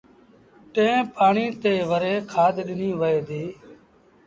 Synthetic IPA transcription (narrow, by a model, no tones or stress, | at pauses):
ʈẽːpaːɳiːt̪eːʋəɾeːkʰaːd̪ɗɪniːʋəeːd̪iː